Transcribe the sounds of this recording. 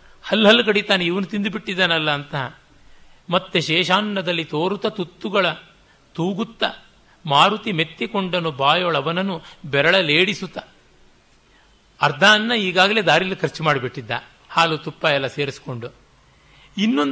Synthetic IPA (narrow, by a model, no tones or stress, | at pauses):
hɐlːɦɐlːukɐɽit̪aːneiʋɐnut̪ind̪ubiʈːid̪ːaːnɐlːɐːnt̪ɐ | mɐt̪ːeʃɛːʃaːnnɐd̪ɐlːit̪oːɾut̪ɐt̪ut̪ːuɡɐɭɐ | t̪uːɡut̪ːɐ | maːɾut̪ime̞t̪ːikoɳɖɐnubaːjoːɭɐʋɐnɐnubɛɾɐɭɐleːɽisut̪ːɐ | ɐɾd̪ʱaːɐnːɐiːɡaːɡɐle̞ːd̪aːɾilːikʰɐɾt͡ʃimaːɽibiʈːid̪ːɐ̰ | haːlut̪upːɐjɛlːɐse̞ːɾisi̥ko̞ɳɖu | inːon